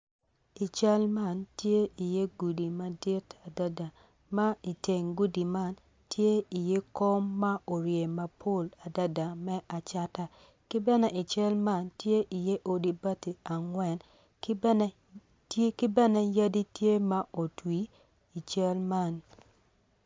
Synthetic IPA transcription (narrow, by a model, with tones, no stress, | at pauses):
i˨t͡ʃa˦lma˦˨ntje˦i˨je˦ɡu˨di˨ma˨dɪ˦tʰa˨da˦da˨ | ma˦i˨te˨ŋɡu˦di˨ma˦n | tje˦i˨je˦ko˦mːa˦ʔo˨ɾje˨ma˨pʰo˦˨la˨da˦da˨mɛ˦ʔa˨t͡ʃa˦ta˦ | kɪ˦bɛ˦nɛ˦ʔi˨t͡ʃɛ˦lma˦˨ntje˦ʔi˨je˦ʔo˨di˨ba˦ti˨a˨ŋwɛ˨n | kn˦ | tkɪ˦bɛ˦nɛ˦ja˦di˦tje˦ma˦ʔo˨twi˨˦ | i˨t͡ʃa˦lma˦˨n